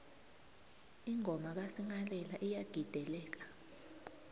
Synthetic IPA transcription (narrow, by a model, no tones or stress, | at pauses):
iŋʱɔmaɓ̬asiŋalɛlaʔijaɡ̥ʱid̥ʱɛlɛːk̬ḁ